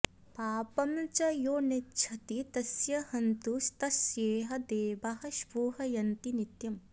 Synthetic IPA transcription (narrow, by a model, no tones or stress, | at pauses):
paːpɐmt͡ʃɐjoːnetːt͡ʃʰɐt̪it̪ɐsjɐhɐnt̪ust̪ɐsjeːɦɐd̪eːbɐɦɐʃbuːɦɐjɐnt̪init̪jɐm